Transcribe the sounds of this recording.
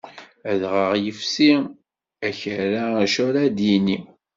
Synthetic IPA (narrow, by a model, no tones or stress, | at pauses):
æðʁəʁjəfsi | æçɾaʃʊɾad̪jini